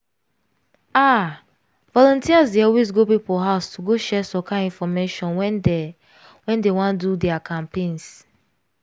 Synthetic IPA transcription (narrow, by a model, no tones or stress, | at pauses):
a | vɔlɔ̃ntiasdiɔwis̬ɡobipɔɦaʊstuɡoʃɛsɔkaĩnfɔmeʃɔ̃nw | wɛ̃ndewɔ̃ndudɛakʰãmpẽns